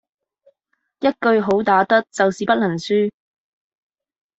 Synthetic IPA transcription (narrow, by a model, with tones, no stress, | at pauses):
jɐ˥t̚kɵ˧ɥɦo˨˥wt̪aː˨˥t̪ɐ˥k̚t͡sɐ˨wsiː˨pɐ˥t̚lɐ˨˩nsyː˥